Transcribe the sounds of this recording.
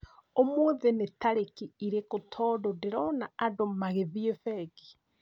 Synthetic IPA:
omoðenetaɾekiiɾekotʰɔːdodeɾɔnaːdomaɣeðiefɛɡi̥

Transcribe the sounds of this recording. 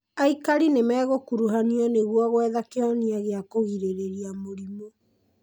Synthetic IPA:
aikaɾinemɛːɣokuɾuɦaniɔneɣwɔɣwɛðakeɔniaɣeakoɣiɾeɾeɾiamoɾimo

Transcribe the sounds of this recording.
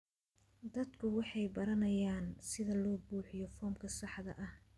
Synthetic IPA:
d̪ɐd̪kʰʊwɑħɑjbɐɾɐnɐjaːnsɪðɐlɔːbuːħɪjɔfɔːmkʰɐsɑħd̪ɐ̰ʔɐh

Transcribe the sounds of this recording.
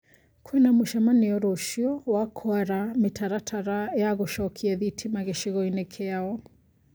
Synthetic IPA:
kʰwɛnamoʃamaneɔɾoʃiɔwakʰɔaɾametʰaɾatʰaɾajaɣoʃɔkʰiɛðitʰimaɣeʃiɣɔinekʰeaɔ

